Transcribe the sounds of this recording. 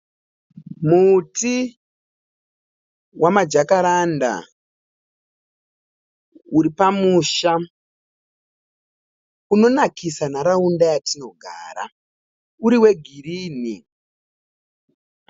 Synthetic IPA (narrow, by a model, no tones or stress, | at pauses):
muti | wamad͡ʒakaɾanda̰ | uɾipamuːʃa | uno̞nakisanaɾaundajatino̞ɡʱa̰ːɾa̰ | uɾiwe̞ɡʱiɾiːni